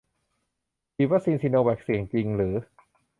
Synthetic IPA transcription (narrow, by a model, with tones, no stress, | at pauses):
piː˧wa˦˥siː˧nsiː˧noː˧wɛ˨˩k̚si˩˦əŋt͡ɕi˧ŋɾɯː˩˦